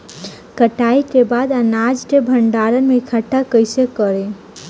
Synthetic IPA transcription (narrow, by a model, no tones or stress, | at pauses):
kəʈaiʈ̪ebad̪anad͡ʒʈ̪ebʱəɳɖaɾənmekʰəʈʰːakəjsekəɾe